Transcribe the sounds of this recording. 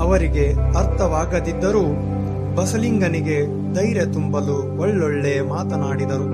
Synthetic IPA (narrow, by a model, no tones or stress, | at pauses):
ɐʋɐɾiɡe̞ɐɾt̪ʰɐʋaːɡɐd̪id̪ːɐɾuː | bɐsɐliŋɡɐniɡe̞ | d̪ɐjɾet̪umbɐlu | ɔɭːoɭːejɐmaːt̪ɐnaːɽid̪ɐɾu